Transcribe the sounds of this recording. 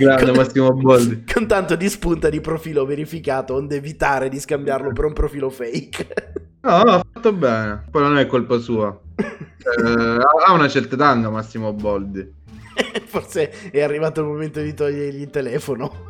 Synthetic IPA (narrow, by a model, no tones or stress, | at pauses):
ɡɾand̪emmasːimoabːɔld̪ikʰont̪ant̪od̪ispunt̪ad̪ipɾofiːloveɾifikaːt̪oond̪eːvit̪aːɾed̪iskambjarlopeɾumpɾofiːlofɛjk | nɔafːat̪ːobɛːnepɔjnonnɛkːolpasuːa | aaunat͡ʃɛrt̪at̪aŋɡamasːimoabːɔld̪i | forseɛarːivaːt̪oalmoment̪od̪it̪ɔʎːeɾʎilt̪elɛːfono